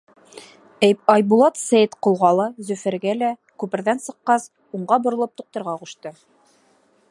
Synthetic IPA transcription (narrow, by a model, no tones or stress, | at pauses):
æjpɑjbulˠɑt̪sæjt̪qŏlˠʁɑlˠɤzʉfɘ̆ɾɡælækʉpɘ̆ɾðænsɤ̆qːɑs | uɴɢɑbŏɾɤ̆lˠɤp̚t̪uq̚t̪ɤ̆ɾʁɑquʃt̪ɤ